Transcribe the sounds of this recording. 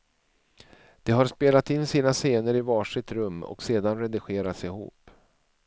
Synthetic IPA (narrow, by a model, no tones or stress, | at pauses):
d̪̥ɛɦaɾspeːlat̪ɪnːsiːnaseːnəɾɪvɑːʂɪt̪ɾɵmːɔ̰kseːd̪anɾɛd̪ɪɧeːɾat̪sɪhṵːp